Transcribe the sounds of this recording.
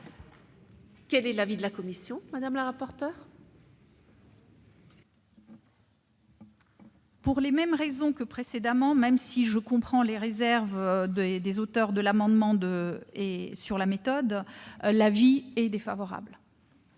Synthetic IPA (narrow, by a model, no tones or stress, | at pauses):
kɛlɛlavid̪əlakɔmisjɔ̃mad̪amləʁapɔʁt̪œːʁ | puʁlemɛmʁezɔ̃kəpχesed̪amɑ̃mɛmsiʒəkɔ̃pχɑ̃leʁezɛʁvd̪ed̪ezot̪œʁd̪əlamɑ̃d̪mɑ̃d̪əesyʁlamet̪ɔd̪laviɛd̪efa̰vɔʁa̰bl